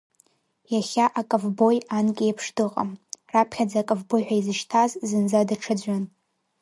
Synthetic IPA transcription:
jaχʲaʔakʼɨvbo̞jankʲʼiepʰʂdɨqʼa̰mrapʰχʲad͡zakʼɨvbo̞jħʷᶣaizɨʃtʰazzɨnd͡zadaʈ͡ʂʰad͡ʑʷan

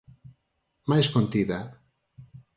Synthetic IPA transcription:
majskont̪iða

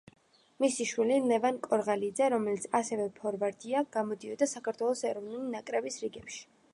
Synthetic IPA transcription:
misiʃwililɛvankʼɔɾʁalid̪zɛɾɔmɛlit̪sʰasɛvɛpʰɔɾvaɾt̪ʰiaɡ̥amɔd̪iɔd̪asakʰaɾt̪ʰwɛlˠɔsɛɾɔvnulinakʼɾɛbisɾiɡɛpʃi̥

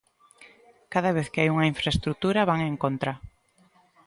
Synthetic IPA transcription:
kaðaβ̞eθkɪajuŋɐaiɱfɾaest̪ɾut̪uɾaβaŋeŋkont̪ɾa

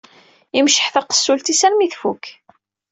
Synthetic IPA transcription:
imʃəħθæqə̥sːult̪isælmiθfuk

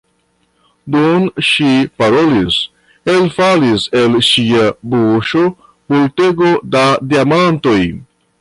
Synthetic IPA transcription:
dunʃipaɾo̞lis | elfalise̞lʃiabuʃo̞ | bulte̞ɡodadiamanto̞j

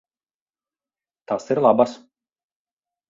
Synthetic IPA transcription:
t̪asiɾlˠabas

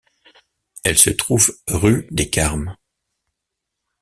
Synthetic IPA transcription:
ɛlsət̪χuvʁyd̪ekaʁm

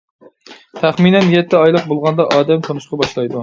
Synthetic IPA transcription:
t̪ʰæχminɛnjɛt̪ʰːɪɑjlˠəq̚bolˠʁɑnd̪ɑʔɑːd̪ɛmt̪ʰonɨʃqʰɑbɑʃlˠɑjd̪u

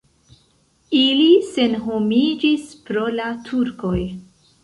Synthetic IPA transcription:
ilise̞nɦo̞mid͡ʒispɾo̞latʰuɾko̞j

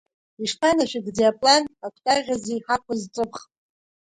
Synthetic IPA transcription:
iʂpʰanaʃʷᶣɪɡd͡zejapʼlanakʷʰtʼarʁʲazejħakʷʰazt͡sʼɨpχʼ

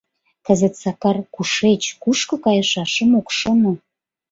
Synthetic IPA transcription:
kə̆zə̆t̪sɑkɑrkuʃet͡ɕkuʃkɤ̆kɑjə̆ʃɑʃə̆mokʃŏno

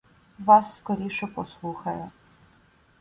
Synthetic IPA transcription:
ʋɑsːkɔɾʲiʃɛpɔslˠuxɐjɛ

